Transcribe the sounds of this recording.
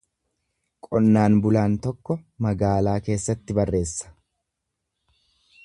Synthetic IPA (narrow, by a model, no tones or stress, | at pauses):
kʼɔnːaːnbʊlaːnt̪ɔkːɔmɐɡaːlaːke̞ːsːɐt̪ːɪbɐrːe̞ːsːɐ̥